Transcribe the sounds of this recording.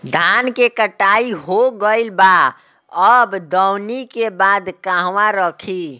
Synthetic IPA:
d̪ʱankekəʈaiɦoɡəɪlba | əbd̪əwnikebad̪kaɦwaɾəkʰi

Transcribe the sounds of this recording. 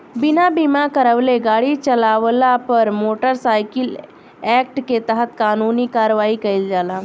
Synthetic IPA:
bɪnabimakəɾəʋleɡaːɽit͡ʃəlaːʋlapəɾmoːʈəɾsaːɪkɪl | ɛːk̚ʈket̪əɦət̪̚kaːnuːnikaːɾəʋaːikɐild͡ʒaːlaː

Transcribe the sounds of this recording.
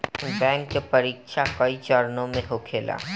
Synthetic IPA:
nbɛŋkepəɾikʃʰakɔit͡ɕɔɾnomeɦokʰela̰

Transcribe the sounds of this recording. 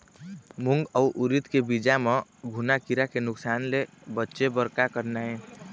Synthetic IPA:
muŋɡɔuʔuɾit̪kebid͡ʒameɡʱunakiɾakenʊksaːnlebətːʃebəɾkakəɾnaẽ

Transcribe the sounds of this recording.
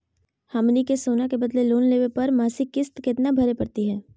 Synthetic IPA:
hamnikesoːnakebɐd̪leloːnleːʋepɐɾmaːsɪkːɪst̪kɪt̪nabʱɐɾepɐɾt̪iɦɛː

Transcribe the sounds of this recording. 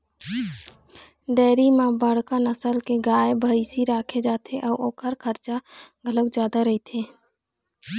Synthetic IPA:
ɖɛːɾimãːbəɽ̤kanəsəlkeɡaːebʱəːisiɾaːkʰed͡ʒaːt̪ʰeʔɔːɾʔoːkʰəɾkʰəɾt͡ʃaɡʱələkd͡ʒjaːd̪aɾəɦit̪ʰeː

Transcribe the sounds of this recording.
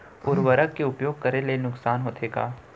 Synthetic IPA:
ʊɾʋəɾəkkːeʊpjoːɡ̚kɐɾelenʊksaːnɦoːt̪ʰeːɡaː

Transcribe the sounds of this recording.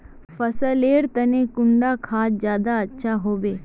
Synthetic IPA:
pɐsəleːɾt̪ənekʊɳɖakʰaːt̪d͡ʒjaːd̪aɐtːʃʰaɦoːbeː

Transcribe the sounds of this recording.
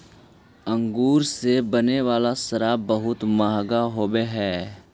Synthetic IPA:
ə̃ŋɡuːɾsebəneʋaːlasəɾaːbəɦʊt̪maːɦɡaɦoːbeɦɛː

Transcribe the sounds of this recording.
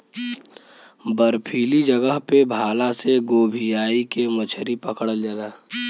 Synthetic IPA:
bəɾpʰiːlid͡ʒəɡəɦpebʱaːlaseɡoːbʱijaːikemət͡ʃʰɾipəkɽəld͡ʒanaː

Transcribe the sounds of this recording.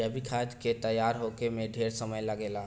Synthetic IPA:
əbʱikʰad͡ʒket̪əjaːɾɦokemẽɖʱeːɾsəməjləɡeːlaː

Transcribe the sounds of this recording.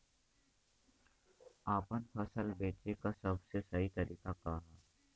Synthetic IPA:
aːpənpʰɐsəlbeːt͡ʃekasɐbsesɐɦit̪ɐɾiːkakaɦaː

